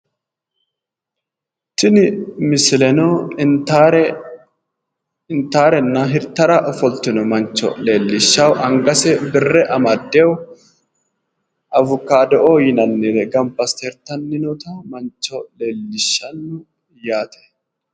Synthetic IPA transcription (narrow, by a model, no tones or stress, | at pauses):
tɪnɪmɪslɛnɔ | ɾ | ɪnt̪aːɾɛnːɐɦɪɾt̪ːɐɾɐʔɔfɔlt̪ːɪnɔmɐnt͡ʃːɔ̰le̞ːlːɪʃːɐwʔɐŋɡɐsɛbɪrːɛʔɐmɐd̪ːɛwʊ | ʔɐvʊkːaːd̪ɛʔoːjɪnɐnːɪd̪ɛɡɐmpːɐst̪ɛɾt̪ɐnːɪnɔt̪ɐmɐnt͡ʃːɔle̞ːlːɪʃːɐnːʊ | jaːt̪ɛ̥